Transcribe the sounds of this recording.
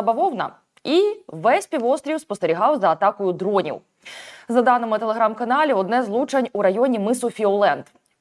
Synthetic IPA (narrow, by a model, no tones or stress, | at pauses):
bɐʋɔwnɐ̰ | iʋɛsʲpʲiʋɔst̪ɾʲiwspɔst̪eɾʲiɦɑwzɐːt̪ɑkɔjʊd̪ɾɔnʲḭw | zɐd̪ɑnɪmɪt̪elˠeɦɾɑmkɐnɑlʲiɔd̪nɛzlˠut͡ʃɐnʲuɾɐjɔnʲimɪsʊfʲiɔlˠɛnd̪̥